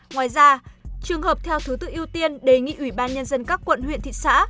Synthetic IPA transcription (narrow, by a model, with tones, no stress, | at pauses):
ŋwaː˨jzaː˧t͡ɕɨ˨˩əŋhəː˨˩p̚t̪ʰɛ˧wt̪ʰu˨˦t̪ɨ̰˧˨ŋʔi˧əwt̪i˧ənɗe˨˩ŋḭ˧˨ʔwi˧˩ɓaː˧nɲə˧nzə˧nkaː˦˥kːwə̰˧˨nhwḭ˧˨ənt̪ʰḭ˧˨sa̰ː˧˥